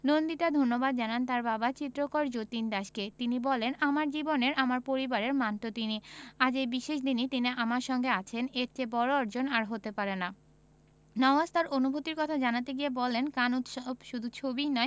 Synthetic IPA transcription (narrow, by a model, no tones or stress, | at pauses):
nond̪iʈad̪ʱonːobad̪̚d͡ʑanant̪aɾbabat͡ɕit̪ːɾokoɾd͡ʑot̪ind̪aʃket̪inibɔlenamaɾd͡ʑiboneɾʔamaɾpoɾibaɾeɾmanʈot̪iniad͡ʑejbiʃeʃd̪init̪iniʔamaɾʃɔŋɡeat͡ɕʰeneɾt͡ɕebɔɾoɔɾd͡ʑonaɾɦot̪epaɾena | nɔazt̪aɾonubʱot̪iɾkɔt̪ʰad͡ʑanat̪eɡiebɔlenkanut̪ʃɔbʃud̪ʱut͡ɕʰobijnɔe